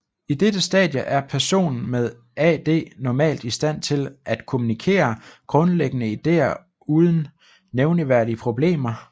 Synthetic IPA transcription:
id̥ed̥əsd̥ɛ̰ðˠjəʔæɐpʰæɐso̝̰ːnn̩með̞ˠ | ɛd̥e̝̰ːnɒmɛ̰ːld̥isd̥æn̰t͡sʰe̝lʔæd̥kʰo̝munikʰe̝̰ːɐɡ̥ʁɔ̽nleɡ̥ənəid̥e̝̰ːɐ | uːð̞ˠn̩ | neʊniʋæɐɾ̥iəpʰʁo̝b̥le̝̰ːmɐ

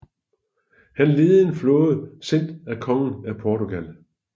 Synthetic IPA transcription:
hænle̝ːð̩ˠe̝nflɔ̽ːð̩ˠsen̰d̥ækʰɒ̽ŋn̩æpʰɒːt͡soɡ̥æl

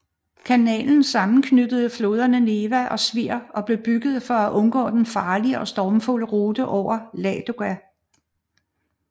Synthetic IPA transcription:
kʰænɛ̰ːln̩sɑ̈mn̩kʰnyd̥əð̞̩ˠəflo̝ːð̞ˠɐnəne̝ʋæʔɒ̽sʋiɐ̰ɒ̽b̥le̝b̥yɡ̥ð̞̩ˠfɒ̽æʔɔ̽nɡ̥ɔ̰̽ːd̥enfɑ̈ːliəʔɒ̽sd̥ɒːmfo̝ləʁoːd̥əʔɒʊ̰ɐlɛːd̥oæ

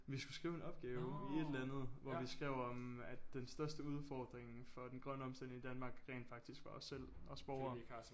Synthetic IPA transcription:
ʋisɡ̥usɡ̥ʁiːʊe̝nɒ̽b̥̚ɡ̥ɛːʊie̝d̥lænð̞̩ˠʋɒʋisɡ̥ʁɛʊ̰ɒ̽mæd̥ːensd̥ɶɐsd̥əuð̞ˠfɒːd̥ʁeŋ̩fɒ̽d̥enɡ̥ʁɶnəɒ̽msd̥en̰ŋid̥ænmɑ̈ːɡ̥ʁɛ̰ɪnd̥fɑ̈ɡ̥̚d̥isɡ̥ʋɑ̈ɒsːel̰ɒ̽sb̥ɒʊɐ

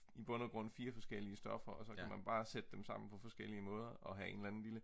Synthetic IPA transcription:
ib̥ɔ̽nəɡ̥ʁɔ̽n̰fiːɐfɒ̽sɡ̥el̰iəsd̥ɒ̽fɐɒ̽sɒ̽kæmænb̥ɑ̈ːsed̥əd̥emsɑ̈m̰n̩pʰɒ̽fɒ̽sɡ̥el̰iəmɔ̽ːð̞ˠɐʔɒ̽ɦæe̝nlæn̩lilə

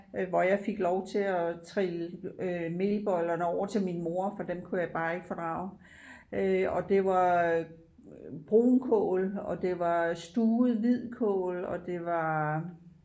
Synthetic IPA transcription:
ʋɒjɑ̈ɪfeɡ̥lɒʊt͡sʰe̝ɒt͡sʰʁil | me̝lb̥ɒ̽lɐnəɒʊ̰ɐt͡sʰe̝lminmo̝ɐfɒ̽d̥emkʰujɑ̈ɪb̥ɑ̈ːe̝ɡ̥əfɒ̽d̥ʁɑ̰̈ːʊ | ɒ̽d̥e̝ʋɑ̈ | b̥ʁo̰ːnkʰɔ̰ːlɒ̽d̥e̝ʋɑ̈sd̥uːð̩ˠʋið̰ˠkʰɔ̰ːlɒ̽d̥e̝ʋɑ̈

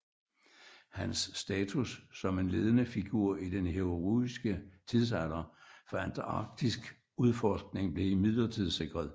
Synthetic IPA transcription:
hænsːd̥ɛːt͡sʰusːɒ̽me̝nle̝ːð̞ˠənəfiɡ̥uɐ̰id̥enɦeʁuisɡ̥ət͡sʰiðˠs̬ælɐfænd̥ɑ̈ɡ̥̚d̥isɡ̥ | uð̞ˠfɒsɡ̥ne̝ŋb̥le̝imiðˠlɐt͡sʰið̞̰ˠse̝ɡ̥ʁɐð̞ˠ

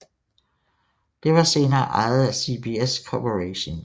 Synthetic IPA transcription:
d̥e̝ʋɑ̈se̝ːnɐːʔɑ̈ɪð̩ˠæsib̥ieskʰɒpʰəʁeɕon

